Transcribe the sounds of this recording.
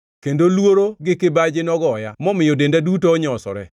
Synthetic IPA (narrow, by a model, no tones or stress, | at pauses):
kendolwoɾoɡɪkɪbad͡ʒɪnɔɡɔːjamɔmɪjodendadutoːɲɔsɔ̰ɾɛ̰